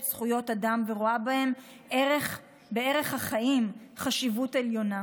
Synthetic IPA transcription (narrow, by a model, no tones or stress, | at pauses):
sχujo̞tadamveʁoabahe̞m | ʔeʁeχ | be̞e̞ʁe̞χhaχaʔimχaʃivute̞ljo̞na